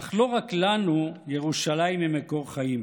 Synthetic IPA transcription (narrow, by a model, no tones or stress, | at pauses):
aχlo̞ʁaklanuje̞ʁuʃalaimemeko̞ʁχajim